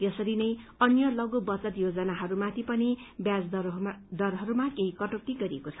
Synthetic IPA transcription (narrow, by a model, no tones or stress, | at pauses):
jʌsʌɾinʌjʌnjʌlʌɡobʌt͡sʌt̪jod͡zʌnaɦʌɾumat̪ʰipʌnibjad͡zd̪ʌrɦʌɾumakeɦikʌʈʌk̚t̪iɡʌɾiekot͡sʰʌ̥